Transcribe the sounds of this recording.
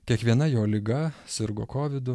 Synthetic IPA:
kʲiɛkʋʲiɛnɐjoːlʲɪɡɐsʲɪɾɡo̰ːkoːʋʲɪd̪ʊ

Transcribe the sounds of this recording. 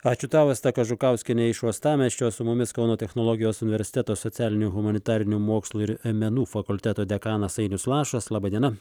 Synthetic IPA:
ɑːt͡ʃʲʊt̪ɑːʋɐst̪ɐkɐʒʊkɐʊsʲkʲɪnʲɛɪʃoɔst̪ɑːmʲɛʃʲt͡ʃʲoːsʊmʊmʲɪskɐʊnoːt̪ʲɛxnolˠoːɡʲɪjoːsʊnʲɪʋʲɛɾʲsʲɪ̥t̪ʲæːt̪oːsɔt̪sʲæːlʲɪnʲʊɣʊmɐnʲɪt̪ɑːɾʲɪnʲumoːkslˠuɪɾmʲɛnuːfɐkʊlʲt̪ʲæːt̪oːd̪ʲɛkɑːnɐsɐɪnʲʊslˠɑːʃɐslˠɑːbɐd̪ʲiɛnɐ

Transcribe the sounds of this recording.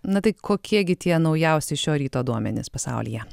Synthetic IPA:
nɐt̪ɐɪkʰoːkʲiɛɡʲɪt̪ʲiɛnɐʊjɛʊsʲɛɪʃʲoːɾʲiːt̪oːd̪uɔmʲɛ̰nʲɪ̰spɐsɑ̰ʊlʲḭːjɛ

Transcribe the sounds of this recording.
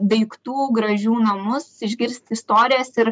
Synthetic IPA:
d̪ɐɪkt̪uːɡɾɐʒʲuːnɐmʊsɪʒʲɡʲɪɾʲsʲt̪ʲɪst̪oːɾʲɪjɛsɪɾ

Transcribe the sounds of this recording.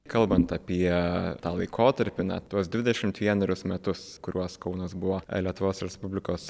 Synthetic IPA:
kɐlˠbɐnt̪ɐpʲiɛt̪ɑːlˠɐɪkʰoːt̪ɐɾʲpʲɪnɐ̰t̪uɔsd̪ʲʋʲɪd̪ʲɛʃʲɪmt̪ʋʲiɛnɐɾʲʊsmʲɛt̪ʊskʊɾʲuɔskɐʊnosbʊʋoːlʲiɛt̪ʊʋoːsɾʲɛspʊbʲlʲɪkoːs

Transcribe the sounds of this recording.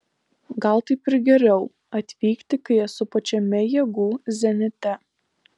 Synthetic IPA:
ɡɐlˠt̪ɐɪpɪɾɡʲɛɾʲɛʊ | ɐt̪ʲʋʲiːkt̪ʲɪkɐɪɐsʊpɐt͡ʃʲɛmʲɛjɛːɡuːzʲɛnʲɪt̪ʲɛ

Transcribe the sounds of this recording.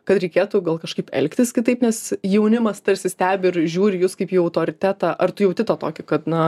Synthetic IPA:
kɐt̪ɾʲɛɪkʲeːt̪uɡɐlˠkɐʃkɐɪpɛ̰lʲkt̪ʲɪskʲɪt̪ɐɪpnʲɛsjɛʊnʲɪmɐst̪ɐɾʲsʲɪsʲt̪ʲæːbʲɪɪɾʒʲuːɾʲɪjuːskɐɪpiːɐʊt̪oːɾʲɪt̪ʲæːt̪ɑːʔɐrt̪ʊjɛʊt̪ʲɪt̪oːt̪o̰ːkʲɪkɐt̪nɐ

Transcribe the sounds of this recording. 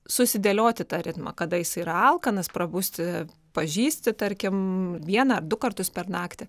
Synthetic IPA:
sʊsʲɪd̪ʲeːlʲoːt̪ʲɪt̪ɑːɾʲɪt̪mɐ̰kɐd̪ɐjɪsɐɪiɾɐɐlˠkɐnɐspɾɐbuːsʲt̪ʲɪ | pɐʒʲiːsʲt̪ʲɪt̪ɐɾʲkʲɪmʋʲiɛnɐɐrd̪ʊkɐrt̪ʊspʲɛrnɑːkt̪ʲɪ

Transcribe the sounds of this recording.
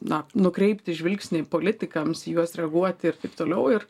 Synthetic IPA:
nɐnʊkɾʲɛɪpʲt̪ʲɪʒʲʋʲɪlʲksʲnʲɪpoːlʲɪt̪ʲɪkɐmsjuɔsɾʲɛɐɡuɔt̪ʲɪrt̪ɐɪpt̪oːlʲɛʊɪr

